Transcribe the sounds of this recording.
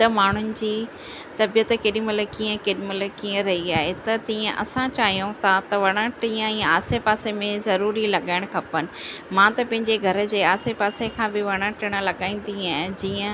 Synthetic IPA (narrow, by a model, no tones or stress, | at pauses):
t̪ɐmaːɳ̤ʊnɪ̆d͡ʑiː | t̪ɐbijət̪keːɗĩmɐləkiːə̃keːɗimɐləkiːə̃ɾɐɦiaːɦet̪ɐt̪ĩːə̃ʔɐ̰sãt͡ɕaːɦijõt̪ʰat̪ɐʋɐɽ̃əʈiːə̃iə̃aːsepaːsemẽzɐɾuːɾilɐɠaːɪɽ̃kʰɐpənɪ̆mãt̪ɐpɐ̃ɦɪ̃ɲd͡ʑeɡʱɐɾə̆d͡ʑeːaːsepaːsekʰãbɪʋɐɽ̃əʈʰɪɽ̃ə̆lɐɠaːĩːn̆d̪iaːɦd͡ʑiːə̃